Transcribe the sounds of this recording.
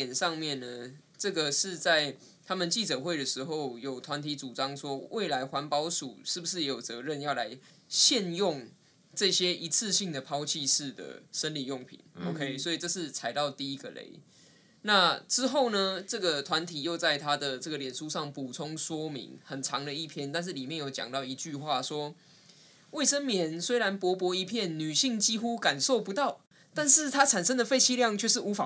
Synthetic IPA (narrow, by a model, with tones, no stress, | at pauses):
ɛ˨˩nʂɑ˥˧ŋmjɛ˥˨nːə˩ | ʈ͡ʂɤ˥˩ɡə˩ʂɻ̩˥˧t͡sa˥˩ɪ | t̪ʰa˥mə˨nt͡ɕi˥˩t͡sɤ˨˩xwe˥˩ɪd̪ə˩ʂɻ̩˧˥xo˥˩ʊjo˨˩ʊt̪ʰwa˧˦nt̪ʰi˧˥t͡su˨˩t͡sɑ˦˥ŋʂwɔ˦˥wʔe˥˩ɪla˧˥ɪxwa˧˥npɑ˦ʊʂṵ˨˩ʂɻ̩˥˩bu˩ʂ̬ɻ̩˥˩˨jo˨˩ʊt͡sɤ˧˥ɻə˥˧˨njɑ˥˩ʊla˧˥ɪ | ɕjɛ˥˧njʊ˥˩ŋ | ʈ͡ʂɤ˥˧ɕjɛ˦˥ʔi˧˥t͡s̩ʰ˥˧ɕi˥˩ŋd̪ə˩pʰɑ˥ʊt͡ɕʰi˥˧ʂɻ̩˥˩d̪ə̰˩ʂə˦nli˨˩jo˥˩ŋpʰḭ˨˩˦no˨kʰe˦˥ɪswɔ˧˥i˨˩ʈ͡ʂɤ˥˧ʂ̬ɻ̩˥˩t͡sʰa˧˥ɪt̪ɑ˥˧ʊt̪i˥i˦˥ɡə˨lḛ˧˥ɪ | na˥˧ʈ͡ʂɻ̩˥xo˥˩ʊnə˩ʈ͡ʂɤ˥˩ɡə˩t̪ʰwa˧˦nt̪ʰi˨˩jo˥˧ʊt͡sa˥˩ɪt̪ʰa˥d̪ə˨ʈ͡ʂɤ˥˩ɡə˩ljɛ˨˩nʂu˦ʂɑ˥˩ŋpu˨˩t͡sʰʊ˥˦ŋswɔ˥mḭ˧˥ŋhə˨˩nt͡sʰɑ˧˦ŋd̪ə˨i˥˩pʰjɛ˥˧nt̪a˥˧nʂ̬ɻ̩˥˩li˨˩mjɛ˥˧njo˥˩ʊt͡ɕjɑ̰˨˩ŋt̪ɑ˥˩ʊi˧˥t͡ɕy˥˧xwa˥˩swɔ˥ | we˥˩ɪʂə˥nmjɛ˨˦nswe˥ɪɾa˧˦npwɔ˧˥pwɔ˧˥i˧˥pʰjɛ˥˩nny˨˩ɕi˥˩ŋt͡ɕi˥xu˥ka˨˩nso˥˩ʊpu˧˦t̪ɑ˥˨ʊ | t̪a˥˧nʂɻ̩˥˩t̪ʰa˥t͡sʰa˨˩nʂə˦˥nd̪ə˨fe˥˧ɪt͡ɕʰi˥˧ljɑ˥˨˧ŋt͡ɕʰɥɛ˥˧ʂ̬ɻ̩˥˩u˧˥fa˨˩